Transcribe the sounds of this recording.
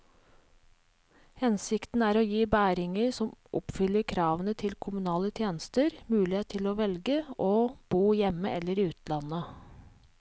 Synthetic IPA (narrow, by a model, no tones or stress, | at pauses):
hɛnsɪkt̪n̩æːɾoːjiːbæːɾɪŋəɾsɔmʔɔpfʏlːəɾkʰɾɑːʋənət̪ʰɪlkʰʊmʉnɑːlət̪ʰjeːnəst̪əɾmʉːlɪheːt̪ʰːɪloːʋɛlɡəʔoːb̥uːjɛmːəʔɛlːəɾiːʉːt̪lɑnə